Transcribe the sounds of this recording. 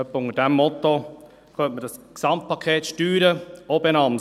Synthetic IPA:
œpːəʊŋəd̥ɛmːɔt̪ːo | kʰœntmədɑsksɑmt̚pʰɑkʰeːtʃtyːɾəobenɑm

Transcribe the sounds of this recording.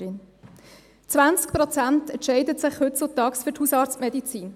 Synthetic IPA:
ɪn | t͡svant͡skpʁɔt͡santɛntʃɛɪdətsɪχhʏtsotɑːksfʏthuːsɑːɾt͡stmɛdit͡siːn

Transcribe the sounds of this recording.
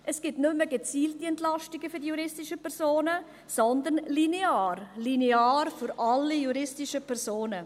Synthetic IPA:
ʔɛsɡ̥ɪtnʏmːəɡet͡siːltiɛntlɑʃtɪɡəfyɾdijuɾɪstɪʃəpʰɛɾzoːnə | sɔnd̪ənlineaːɾlineaːɾfʏɾʔɑlːijuɾɪstɪʃəpʰɛɾzoːnə

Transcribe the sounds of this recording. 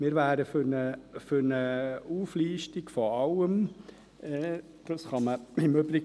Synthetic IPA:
mɪːɾʋæːɾəfnəfʏɾnəuːfliːʃtikfɔɑwəm | ɛː | d̪̥ɑsχɑməɪmøbɾɪ

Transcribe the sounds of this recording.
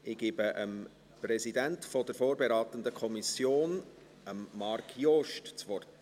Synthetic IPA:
ʔɪɡ̥iːbəʔəm | prɛsidæntfɔd̥əɾfoːɾbɛɾɑːt̪ənd̪əkʰɔmisjoːn | əmːɑrkʰjoʃtt͡svɔrt

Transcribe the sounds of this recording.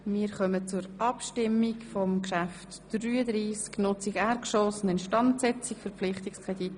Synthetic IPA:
mɪːɾχœmət͡sʊɾʔɑpʃtɪmːikfɔmkʃæftd̥ryːədɾiːsknʊt͡siɡɛɾkʃɔːsnɪnʃtɑntsɛt͡sikfʏɾpflɪχtɪkskʁɛd̥it

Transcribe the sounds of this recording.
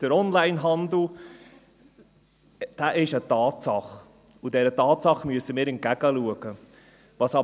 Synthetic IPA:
d̥əɾɔnlaɪnɦɑnd̪l̩ | d̥æːʔɪʃətɑːtsɑχ | udɛɾətɑːtsɑχmyəsːəmɪːɾɛnkæɡ̥əluəɡ̥ə | ʋɑsɑ

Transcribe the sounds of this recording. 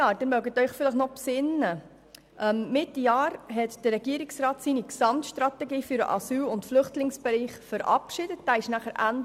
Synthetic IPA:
jɑːd̥ɛnmœɡətœʏχfɪləχnɔpsɪnːə | ʔɛmːɪtːijɑːɾɦɛtd̥ərːɛɡiːəɾɪksɾɑːtsiːniksɑmtʃtɾɑtɛɡiːfyɾə̰ʔɑ̰syːlʊntflʏχtlɪŋsb̥ɛɾiːχfəɾʔɑ̰pʃɪd̥ət̚d̥æːɪʃnæχəɾʔænd

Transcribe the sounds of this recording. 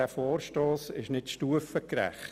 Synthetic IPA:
æfoːrʃtoːsɪʃnɪtʃtuəfəkɾæ̰χt

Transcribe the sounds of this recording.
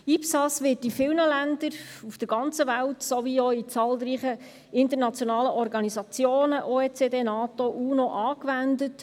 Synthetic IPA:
ipsɑsʋɪːtifɪlnəlændəɾufd̥əɾɡɑnt͡səʋæltsoʋioit͡sɑːlriːχə | ɪnt̪əɾnɑt͡sjonɑːləʔɔɾɡɑnizɑt͡sjoːnəʔoːeːt͡sedeːnɑːtoʔuːnoʔɑːkʋændət

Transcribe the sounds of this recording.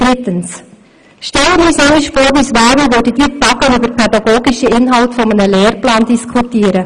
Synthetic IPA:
d̥ɾɪtəns | ʃtɛləmːisoɪʃfoːɾʋiːsʋaːɾvəʋødəd̥iːtɑɡəybəɾpʰɛd̪ɑɡ̥oːɡiʃiɪnɦɑltfɔmənəlɛːɾplɑːnd̥iskʰutiːɾə

